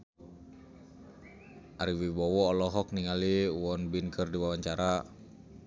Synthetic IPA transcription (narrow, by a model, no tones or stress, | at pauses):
ʔaɾiwibɔwɔːlɔɦɔk̚niŋaliwɔnbinkʰərdiwawaɲt͡ʃaɾa